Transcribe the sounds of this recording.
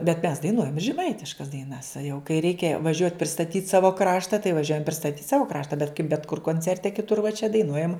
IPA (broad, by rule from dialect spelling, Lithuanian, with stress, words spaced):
bʲɛt mʲɛs dɐɪˈnuɔjɛm ɪ ʒʲɛˈmɐɪtʲɪʃkɐs dɐɪˈnɐs ɐ jɛʊ kɐɪ ˈrʲɛɪkʲɛ ʋɐˈʒʲuɔtʲ pʲrʲɪstɐˈtʲiːtʲ ˈsɑːʋoː ˈkrɑːʃtɐ tɐɪ ʋɐˈʒʲuɔjɛm pʲrʲɪstɐˈtʲiːtʲ ˈsɑːʋoː ˈkrɑːʃtɐ bʲɛt kɐɪp bʲɛt kʊr koːnʲˈt͡sʲɛrʲtʲɛ kʲɪˈtʊr ʋɐ t͡ʃʲɛ dɐɪˈnuɔjɛm